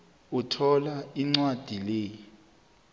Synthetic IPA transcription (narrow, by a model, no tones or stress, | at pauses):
utʰɔlaiŋ͡ǀwad̥ʱileːji